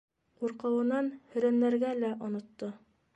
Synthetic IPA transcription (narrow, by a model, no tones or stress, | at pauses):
quɾqɤ̆wɤ̆nɑnhɵ̆ɾænːæɾɡælæʔŏnŏt̪ːo